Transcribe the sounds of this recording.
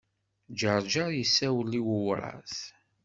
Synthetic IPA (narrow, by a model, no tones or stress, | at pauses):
d͡ʒəɾˤd͡ʒəɾjəsːæwəlːiwəwɾˤɑ̰θ